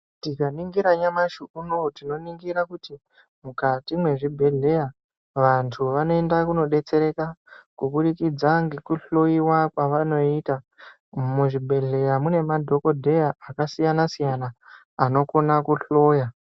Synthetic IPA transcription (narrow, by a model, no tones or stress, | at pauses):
tikaniŋɡiɾaɲamaʃuunotino̞niŋɡiɾakuti | mukatimwe̞ʐibʱe̞ɮe̞ja | ʋantʰuʋano̞e̞ndakuno̞ɗe̞t͡se̞ɾe̞kakuɓuɗikid͡zaŋɡekuɬoiwakwaʋano̞ita | muʐibʱe̞ɮe̞jamune̞madʱo̞ko̞dʱe̞jaːkasijanasijanaː | no̞ko̞nakuɬo̞ːja